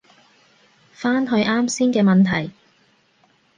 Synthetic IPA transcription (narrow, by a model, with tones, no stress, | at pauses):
faː˥nɦɵ˧ɥʔaː˥msiː˥nkɛː˧mɐ˨nt̪ʰɐ˨˩j